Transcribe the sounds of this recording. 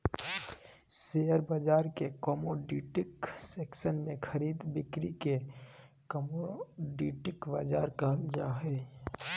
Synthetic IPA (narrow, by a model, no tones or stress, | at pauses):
sejəɾbad͡ʒaːɾkekəmoɖiʈɪkseːksənmẽkʰəɾiːd̪bɪkɾike | kəmoɖiʈɪkbad͡ʒaːɾkəɦəld͡ʒa̰ɦɛ